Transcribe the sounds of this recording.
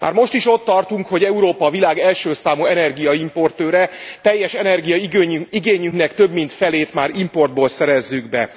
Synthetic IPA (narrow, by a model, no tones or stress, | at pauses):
mʔa̰ːrmo̞ʃt̪iʃo̞t̪ːɒrt̪uŋkho̞ɟɛuɾoːpɒvilaːɡɛlʃøːsaːmuɛnɛrɡijɒimpo̞rt̪øːɾɛt̪ɛjːɛʃɛnɛrɡijɒiɡeːɲyŋknɛkt̪ø̞bmint̪fɛleːt̪maːɾimpo̞rd̪̚boːlsɛɾɛzːyɡbɛ